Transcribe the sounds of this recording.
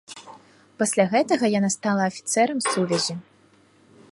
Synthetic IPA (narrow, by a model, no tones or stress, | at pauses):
pɐsʲlʲaɣɛt̪ɐɣɐjanast̪alˠɐːfʲi̥t̪sɛɾɐmsuvʲɛzʲi